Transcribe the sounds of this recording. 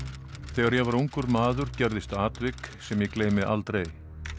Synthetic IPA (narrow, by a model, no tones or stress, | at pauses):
θɛːɣaɾjɛɣvaɾuwŋkʏɾmaːðʏɾ̥cɛɾðɪst̪aːt̪vɪksɛmjɛkleːjmɪʔa̰lt̪ɾej